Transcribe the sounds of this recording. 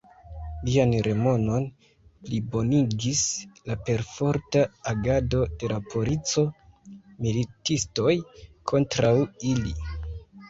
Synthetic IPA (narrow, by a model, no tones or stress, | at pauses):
lianɾe̞mo̞no̞n | plibo̞niɡislape̞ɾfo̞ɾtaːɡado̞de̞lapo̞ɾit͡so̞ | militisto̞jkʰo̞ntɾawili